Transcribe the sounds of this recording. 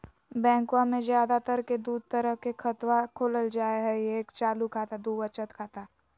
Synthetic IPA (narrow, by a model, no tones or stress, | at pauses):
bɛ̃ːŋkwãmẽzjaːd̪at̪əɾked̪uːd̪̚ʱt̪əɾəɦkekʰɐt̪wakʰoːləld͡ʒaːeɦɛeːkt͡ʃaːlukʰaːt̪ad̪uːʋət͡ʃət̪kʰaːt̪a